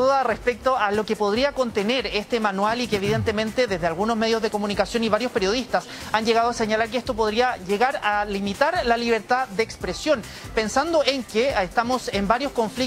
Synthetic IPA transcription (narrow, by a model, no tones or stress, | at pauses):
uðarespek̚t̪oʔalo̞kepo̞ð̞ɾiako̞nt̪eneɾest̪emanwalikeːβ̞iðe̞nt̪emẽ̞nt̪eðe̞zðealɣuno̞zme̞ðjo̞zðe̞ko̞munikasjo̞niβaɾjospe̞ɾjoðist̪as | anʝeɣað̞oaseɲalaɾkeest̪o̞po̞ðɾiaʝeɣaɾalimit̪aɾlaliβ̞e̞ɾt̪ad̪eːkspɾesjo̞n | pe̞nsand̪oʔeŋkeest̪amo̞se̞mbaɾjosko̞ɱfli